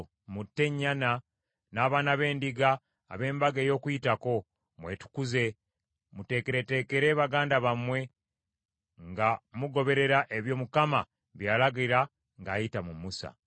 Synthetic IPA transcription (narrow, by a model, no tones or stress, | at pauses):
mutːe̞ɲːana | naːβaːnaβe̞ːndiɡa̰ː | βe̞ːmbaɡeːjo̞ːkujitako̞ | mwe̞ːtu̥kuze̞ | mute̞ːkeɾe̞te̞ːke̞ɾe̞ːβaɡaːndaβamwe̞ | ŋɡamuɡo̞βe̞ɾe̞ɾaʔeβjo̞ːmukama̰ | βjaːlaɡiɾa | ŋɡaːjitamumusa̰